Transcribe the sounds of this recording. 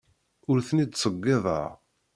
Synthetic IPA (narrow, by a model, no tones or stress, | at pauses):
ʊɾθənid̪sˤəɡːɪðˤɑ̰ɾ